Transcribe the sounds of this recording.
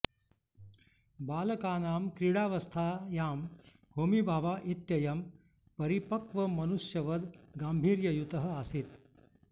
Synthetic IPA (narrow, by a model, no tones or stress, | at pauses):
baːlɐkaːnaːmkɾiɽaːʋɐst̪ʰaːjaːm | bʱoːmibʱaːʋaːʔit̪jɐjɐm | pɐɾipɐkʋɐmɐnuʂjɐʋɐd̪ɡaːmbʱiːɾjɐjut̪ɐɦɐ̆asit̪